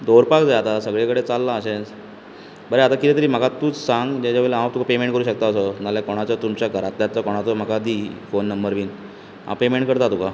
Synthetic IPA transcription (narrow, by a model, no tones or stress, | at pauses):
d̪oɾpakd͡zaat̪asəɡɭekəɽet͡salːãəɕẽd͡z | bəɾeat̪akit̪ɛt̪əɾiːm̤əkat̪uːt͡ssaŋɡd͡ʑat͡ɕaʋelãt̪ukapemẽɳʈkəɾuːɕək̚t̪aːsənaljakoɽ̃at͡sat̪umt͡ɕjaɡʱəɾat̪ljat̪t͡sakoɽ̃at͡s̪ɔm̤əkad̪iːfonːəmbəɾʋiːn | ɦa̰pemeɳʈkəɾt̪at̪uka